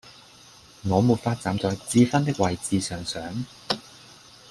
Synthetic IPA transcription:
ŋɔː˨˧muː˨˩t̚faː˧t̚t͡saː˨˧mt͡sɔː˨˧jt͡siː˧fɐ˥nt̪ɪ˥k̚wɐ˨jt͡siː˨˧sœː˨ŋsœː˨˥ŋ

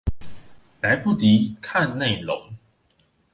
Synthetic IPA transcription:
la˨˦jpʰu˥˨t͡ɕi˨˦kʰa˥˧˨nːe˥˨ɪlo̰˨˦ŋ

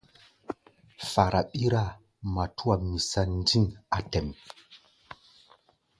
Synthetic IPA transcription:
fa˨ɾʔa˨ɓi˦ɾa˦˨ | ma˨tʰu˦wa˨mi˨sa˦ndi˦na˨tɛ˨m

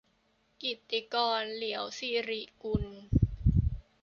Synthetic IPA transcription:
ki˨˩t̪ːi˧kɔː˧nli˩˦əwsiː˧ɾi˨˩ku˧n

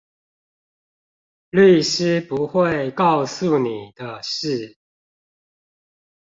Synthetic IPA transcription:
ly˥˩ʂɻ̩˥pu˧˦xwe˥˨ɪkɑ˥˨ʊsu˨ni˨˩d̪̥ə˦ʂɻ̩˥˩

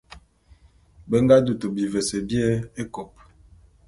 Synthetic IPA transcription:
be˦ŋɡa˦du˨to˨bi˨vɛ˨se˨bjɛ˦e˦ko˨p̚

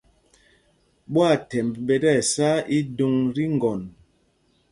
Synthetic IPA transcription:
ɓwa˦˨tɛ˨mbbɛ˨dɛ˦˨sa˦i˦du˦ŋɾi˦ŋ˨ɡɔ˨n

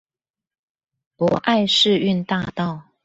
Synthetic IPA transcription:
pwɔ˧˦ʔa˥˧ɪʂɻ̩˥˧y˥˧nt̪a˥˧t̪ɑ˥˨ʊ

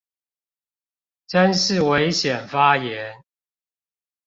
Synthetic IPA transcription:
ʈ͡ʂə˦nʂɻ̩˥˨we˧˦ɪɕjɛ˨˩nfa˦jɛ˨˧˦n

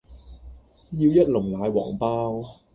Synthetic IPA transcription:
jiː˧wjɐ˦˥t̚lʊ˨˩ŋlaː˨˧jwɔ̰ː˨˩ŋpaː˥w

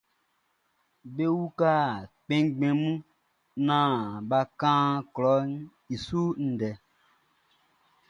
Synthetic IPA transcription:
be˦wu˦ka˦˨k͡pẽ˦ɡ͡bẽ˨mũ˦ | nãː˦˨ba˧kãː˦klɔ˨˦ | i˨su˦n̩˨dɛ˨

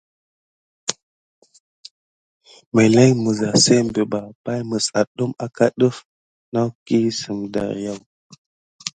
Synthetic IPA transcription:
me˨le˦jmə˨za˨se˦m˨be˨ba˨pa˦jmə˨sa˨ɗu˦ma˨ka˦ɗə˦f | na˦wki˦sə˨mda̰˨ɾja˦w

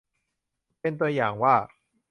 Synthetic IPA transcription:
pe˧nt̪u˧ɐjaː˨˩ŋwaː˥˩

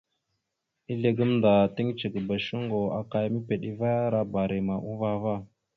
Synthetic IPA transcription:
i˦ɮe˨ɡə˦mnda˨ti˦ŋt͡ʃə˨ɡə˨ba˨ʃu˦ŋɡo˨a˨ka˦jmi˦pe˨ɗi˦va˦ja˦ɾa˦ba˨ɾi˨ma˨ʔu˦va˦va˦˨

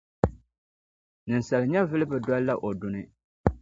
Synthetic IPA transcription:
nɨ˨n̩˨sa˨lɨ˨ɲɛ˦vɨ˦lɨ˦bɨ˨dɔ˦lla˦ʔo˨dʊ˨nɨ˦

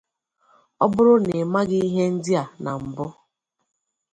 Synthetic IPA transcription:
ɔ˦bʊ˦ɾʊ˦ne˨ma˦ɡɪ˦i˦ɦe˦n̩˦dɪ˦a˨na˨m̩˨bʊ˦

